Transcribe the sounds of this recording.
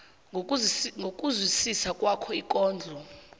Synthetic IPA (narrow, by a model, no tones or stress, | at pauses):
ŋɡʱok̬ʼuzwisisakʼwakʰɔikʼɔːnd͡ɮʱɔ